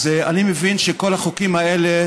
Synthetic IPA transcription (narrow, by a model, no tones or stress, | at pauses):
zea̰nimevinʃeko̞laχokimaele